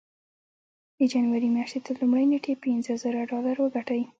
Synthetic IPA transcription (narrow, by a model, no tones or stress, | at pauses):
d̪əd͡ʒanwaɾimjaʃt̪et̪əlumɽajneʈʰepinzəzəɾaɖɑlaɾwəɡaʈawi